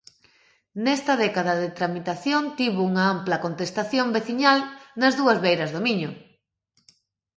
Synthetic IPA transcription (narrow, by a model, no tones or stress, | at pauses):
nɛst̪ɐðɛkaðɐðet̪ɾamit̪aθjont̪iβouŋɐamplɐkont̪est̪aθjombeθiɲalnɐzðuɐzβejɾɐzðomiɲʊ